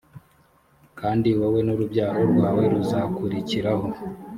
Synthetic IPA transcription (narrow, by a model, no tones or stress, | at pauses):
kaːndiwawe̞nuɾubɟaːɦoɾɡwaːwe̞ɾuzakuɾiciɾaho̞